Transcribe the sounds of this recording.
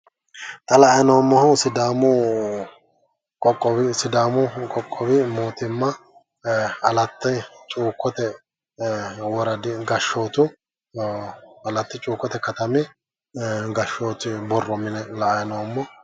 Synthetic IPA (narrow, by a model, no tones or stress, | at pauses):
t̪ɐlɐʔɐjɐnomːɔhʊsɪd̪aːmʊ | kʼɔkʼːɔbɪsɪd̪aːmʊkʼɔkʼːɔbɪmoːt̪ɪmːɐ | ɐlɐt̪ːɐt͡ʃʼuːkːɔt̪ɛ | wɔɾɐd̪ɪɡɐʃːo̞ːt̪ʊ | ɐlɐt̪ːɪt͡ʃʼuːkːɔt̪ɛkɐt̪ɐmɛ | ɡɐʃːoːt̪ɪbɔrːɔmɪnɛlɐʔɐjɐnomːɔ